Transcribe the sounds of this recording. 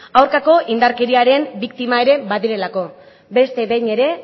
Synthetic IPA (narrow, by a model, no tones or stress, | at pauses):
awɾkako̞ʔind̪aɾke̞ɾiaɾe̞mbikt̪imae̞ɾe̞βaðiɾe̞lako̞ | be̞st̪e̞βejɲe̞ɾe̞